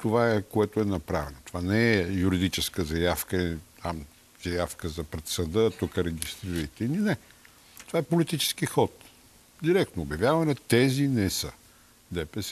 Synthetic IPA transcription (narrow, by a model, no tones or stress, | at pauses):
t̪ovaɛkoɛt̪oɛnɐpɾavɛnot̪ovanɛɛjuɾid̪it͡ʃɛskəzɐjafkət̪am | z̥ɐjafkəzɐpɾɛt̪sɐd̪ət̪ukəɾɛɡ̟ʲist̪ɾiɾɐit̪ɛilinɛ | t̪ovaɛpolit̪it͡ʃɛ̥skixɔt̪ | d̪iɾɛkt̪noːbʲjɐvjavɐnɛt̪ɛzinɛsə | d̪ɛpɛs